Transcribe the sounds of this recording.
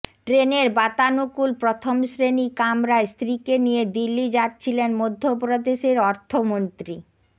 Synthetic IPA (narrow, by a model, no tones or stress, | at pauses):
ʈɾeneɾbat̪anukulpɾot̪ʰomʃɾenikamɾaest̪ɾikenijed̪ilːid͡ʑat̚ːt͡ɕʰilenmod̪ʱːopɾod̪eʃeɾɔɾt̪ʰomont̪ɾi